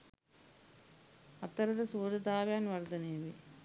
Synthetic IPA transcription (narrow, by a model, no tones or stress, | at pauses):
ɐt̪ːɐɾɐðɐsuːðɐd̪aːʋjaːnʋɐɾd̪ɐneːʋi